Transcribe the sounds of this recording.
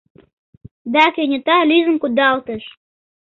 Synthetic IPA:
d̪ɑkenʲə̆t̪ɑlyzə̆mkud̪ɑlt̪ə̆ʃ

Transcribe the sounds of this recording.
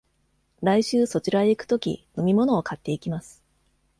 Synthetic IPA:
ɾaiɕɨːso̞t͡ɕiɾaeikɯ̟̥t̪o̞kʲḭno̞mʲimo̞no̞ːkʰat̪ːe̞ikʲimasɨ̥

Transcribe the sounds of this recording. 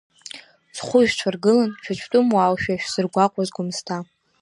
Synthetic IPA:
sχʷʊʒᶣt͡ʃʷʰarɡɨlanʃᶣʰat͡ʃʷʰtʼʊmwawʃᶣaʃᶣsɨrɡʷaqʷʼazɡʷʊmstʰa

